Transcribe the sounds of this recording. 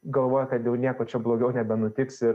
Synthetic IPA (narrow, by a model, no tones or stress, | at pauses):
ɡɐlˠʋoːjɛkɐt̪jɛʊnʲiɛkoːt͡ʃʲɛblˠoːɡʲɛʊnʲɛbʲɛnʊt̪ʲɪksɪɾ